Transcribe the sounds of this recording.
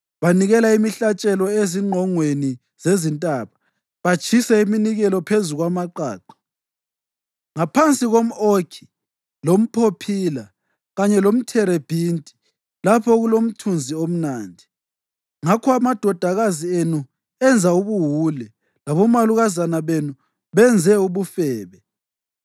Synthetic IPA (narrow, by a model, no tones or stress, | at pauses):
βaniɣɛlaimiɬat͡ʃʼɛlɔeziŋ͡ǃʱɔŋweni | z̥ezintʼaːβa | βat͡ʃʰʼisɛiminiɣɛlɔpʰezuɣwamaǃa̰ːǃḁ | ŋapʰant͡sʼiɣom̩okʰi̥ | lom̩pʰopʰiːla | ɣaɲɛlom̩tʰɛɾeb̥ʱintʼi̥ | lapʰɔɣulom̩tʰund͡zʱiom̩naːndʱi | ŋakʰɔamad̥ʱɔd̥ʱaɣazienu | ɛnd͡zʱauβuɦulɛ | laβɔmaluɣazanaβenu | βɛnd͡zʱɛuβufɛːβɛ